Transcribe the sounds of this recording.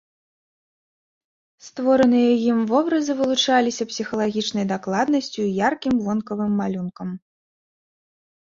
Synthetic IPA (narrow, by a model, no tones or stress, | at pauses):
st̪vɔɾɐnɨjɐjimvɔbɾɐzɨvɨlˠut͡ʂalʲisʲɐpsʲixɐlˠaɣʲit͡ʂnɐjd̪aklˠad̪nɐsʲt͡sʲujarkʲimvɔnkɐvɨmːalʲunkɐm